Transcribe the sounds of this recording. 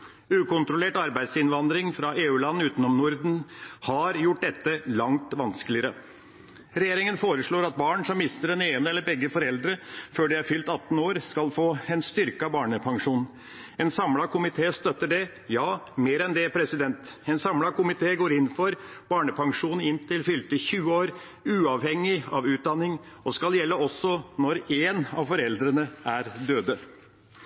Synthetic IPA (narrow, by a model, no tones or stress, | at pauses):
ʉːkʊnt̪ɾʊleːʈɑɾbæɪd̪sɪnʋɑnd̪ɾɪŋfɾɑʔeːʉːlɑnːəʉːt̪n̩ɔmnʊɾd̪n̩hɑɾjʊʈ̚ːdɛt̪ːəlɑŋt̪ʋɑnskəlɪəɾə | ɾɛjeːɾɪŋənfoːɾəʂɭoːɾɑt̪̚bɑːɳʂɔmːɪst̪əɖɛneːnəɛlːəɾbɛɡːəfɔɾɛld̪ɾəføːɖɛæɾfʏlt̪ɑt̪ːn̩oːɾskɑlfoːɛnst̪ʏɾkəɑbɑːɳəpʰɑŋʂuːn | ɛnsɑmlɑkʊmɪt̪ʰeːst̪œt̪ːəɖɛ | jɑːmeːɾɛnd̪ɛpʰɾɛsɪd̪ɛnt̪ɛnsɑmlɑkʊmɪt̪ʰeːɡoːɾɪnːfɔɾb̥ɑːɳəpʰɑŋʂuːnn̩ɪnt̪ʰɪlfʏlt̪əçʉːəoːɾ | ʉːɑʋhɛŋːɪɑʋʉːt̪̚d̪ɑnːɪŋ | ɔskɑljɛlːəɔsːɔnɔɾeːnɑʋfɔɾɛld̪ɾənəæɾd̪øːd̪ə